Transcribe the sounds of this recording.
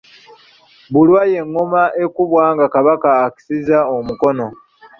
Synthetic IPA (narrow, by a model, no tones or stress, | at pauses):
βulwaje̞ŋːomaʔe̞kuβwaːŋɡakaβakaːki̥sizaomuko̞no̞